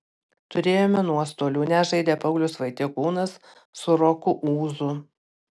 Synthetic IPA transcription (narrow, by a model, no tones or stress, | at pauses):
t̪ʊɾʲeːjoːmʲɛnuɔst̪oːlʲuːnʲɛʒɐɪd̪ʲeːpɐʊlʲʊsʋɐɪt̪ʲeːkuːnɐsː | ʊɾɔkʊʔuːzʊ